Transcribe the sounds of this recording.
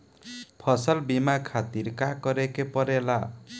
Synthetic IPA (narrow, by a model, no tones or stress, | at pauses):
pʰʌsʌlbimakʰat̪iɾkakʌɾekepʌɾela